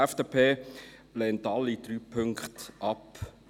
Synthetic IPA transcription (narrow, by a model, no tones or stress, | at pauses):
ɛfd̥eːpʰeːlɛːntɑlːid̥̪ɾyːpʰɵŋkχtʔɑp